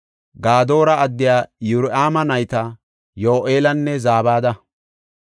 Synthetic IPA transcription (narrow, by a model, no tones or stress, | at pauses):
ɡaːd̪o̞ːɾɐɐd̪ːɪjaːjʊɾʔaːmɐnɐjt̪ɐ | joːʔeːlɐnːɛzaːbaːd̪ɐ